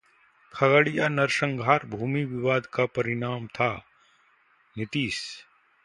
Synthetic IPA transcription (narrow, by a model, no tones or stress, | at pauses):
kʰɐɡəɽijanɐɾʃə̃ŋɡʱaːɾbʱuːmiʋɪʋaːd̪kapɐɾɪɳ̃aːmt̪ʰa | nɪt̪iːs